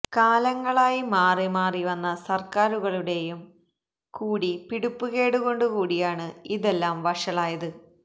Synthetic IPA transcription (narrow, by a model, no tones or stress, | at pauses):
kaːlɐŋːɐɭaːjimaːrimaːriʋɐnːɐsɐrkaːɾuɣɐɭuɽe̞jum | kuːɽipiɽupːuɣe̞ːɽuɣo̞ɳɖukuːɽijaːɳɨiðe̞lːaːmʋɐʂɐɭaːjɐðɨ